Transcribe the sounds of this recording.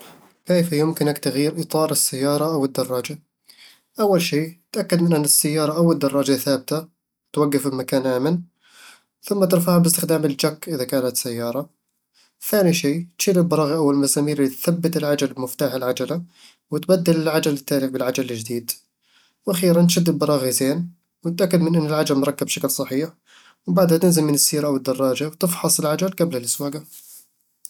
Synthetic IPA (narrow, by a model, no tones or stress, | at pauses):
keːfjʊmkɪnakt̪aɣjiːɾʔɨt̪ˤɑːɾˤɪsːajːɑːɾˤɑʔawɪd̪ːɑrˤːɑːd͡ʒa | ʔawːalʃiːt̪ʔakːad̪mɪnʔanːɪsːajːɑːɾˤɑʔawɪd̪ːɑrˤːɑːd͡ʒaθaːbɪt̪a | wt̪waɡːafɪlmakaːnʔaːman | θʊmːat̪ɪɾˤfaːhabɪst̪ɪxd̪aːmɪld͡ʒakːʔɪðakaːnat̪sajːɑːɾˤɑ | θaːniʃiːt̪ʃiːɾɪlbɑɾˤɑːɣiʔawːallmasaːmiːɾɪlːit̪θabːɪt̪ɪlʕad͡ʒalbmɪft̪aːħalʕad͡ʒala | wɪt̪bad̪ːɪlɪlʕad͡ʒalɪt̪ːaːlɪbɪlʕad͡ʒald͡ʒd̪iːd̪ | wʔaxiːɾant̪ʃad̪ːɪlbɑɾˤɑːɣizeːn | wɪt̪ʔakːad̪mɪnʔɪnːɪlʕad͡ʒalmɾˤɑkːɪbʃaklsˤɑħiːħ | wbaʕd̪hat̪ɪnzɪmɪnɪsːiːɾaʔawɪd̪ːɑrˤːɑːd͡ʒawt̪ɪfħɑsˤɪlʕad͡ʒalɡablhalʔɪswaːɡa